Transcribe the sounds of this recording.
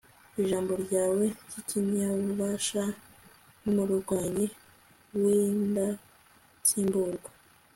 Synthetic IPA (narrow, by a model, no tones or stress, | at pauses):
iʒaːmbo̞ɾɟaːwe̞ɟiciɲɲaβuβaːʃa | numuɾuɾɡwaːɲe | winda | siːmbuːŋɡa